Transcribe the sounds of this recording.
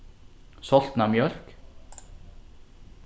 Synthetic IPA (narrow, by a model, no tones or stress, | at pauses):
sɔlt̪n̩ɑːmjœɾk